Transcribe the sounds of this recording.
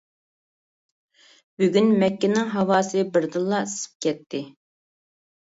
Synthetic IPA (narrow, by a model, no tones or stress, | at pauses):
b̥yɡʲynmɛkʲːɪnɪŋɦɑwɑːsɨbɪɾd̪ɨlˠːɑsɨ̥p̚kʲʰɛt̪ʰːɪ